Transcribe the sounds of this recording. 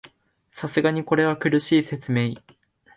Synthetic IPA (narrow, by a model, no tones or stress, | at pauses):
sasɨɡaɲ̟iko̞ɾe̞β̞akɯ̟ɾɯ̟ɕiːse̞t͡sɨme̞ːi